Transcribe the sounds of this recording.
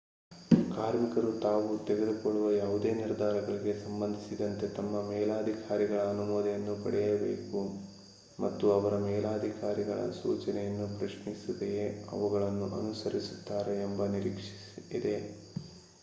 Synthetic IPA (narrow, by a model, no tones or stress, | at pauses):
kaːɾmikɐɾut̪aːʋut̪eɡed̪ukoɭːuʋɐjaːʋud̪e̞ːniɾd̪ʱaːɾɐɡɐɭiɡe̞sɐmbɐnd̪ʱisid̪ɐnt̪e̞t̪ɐmːɐmɛːlaːd̪ʱikaːɾiɡɐɭɐːnumɔːd̪ɐjɐnːupɐ̰ɽɛjɐbḛːku | mɐt̪ːuɐʋɐɾɐmɛːlaːd̪ʱikaːɾiɡɐɭɐ̰sṵːt͡ʃɐnɛjɐnːupɾɐʂmisud̪ejeɐ̰ʋuɡɐɭɐnːuʔɐ̰nusɐɾisut̪ːaːɾeːmbɐniɾiːkʂi̥ | id̪e̞